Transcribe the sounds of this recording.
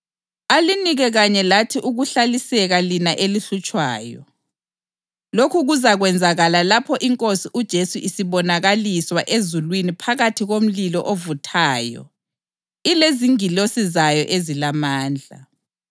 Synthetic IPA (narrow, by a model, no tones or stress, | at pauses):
aliniɣɛɣaɲɛlatʰiʔuɣuɬalisɛɣalinaʔeliɬut͡ʃʼwa̰ːjɔ̰ | lokʰuɣuzaɣwɛnd͡zʱaɣalalapʰɔʔiŋkʼosiʔud̥ʒ̥ʱesuʔisiβɔnaɣaliswaʔezulwinipʰaɣatʰiɣom̩lilɔʔovutʰaːjɔ̰ | ileziŋilosizajɔʔezilamaːnd͡ɮʱa̰